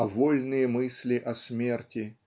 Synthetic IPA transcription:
ɐvolʲnɨjəmɨsʲlʲɪʔɐsmʲertʲɪ

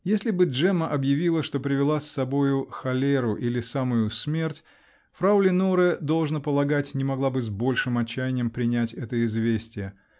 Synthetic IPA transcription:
jesʲlʲɪbɨʐɛməʔɐbjɪvʲilˠəʂt̪o̞pɾʲɪvʲɪlˠasːɐbo̞jʊxɐlʲeɾʊʔilʲɪsamʊjʊsmʲe̞rtʲ | fɾaʊlʲɪnoɾɨd̪o̞lˠʐnəpəlˠɐɡatʲnʲɪmɐɡlˠabɨzbo̞lʲʂɨmɐt͡ɕːæjɪnʲɪjəmpɾʲɪnʲætʲɛt̪əɪzvʲesʲtʲɪjə

